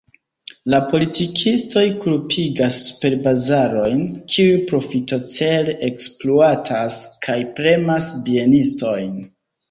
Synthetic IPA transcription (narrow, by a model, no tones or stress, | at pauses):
lapo̞litikʰisto̞jkʰulpʰiɡaspe̞ɾbazaɾo̞jnkʰiujpɾo̞fito̞t͡se̞leʔekspluatʰaskʰajpɾe̞masbie̞nisto̞jn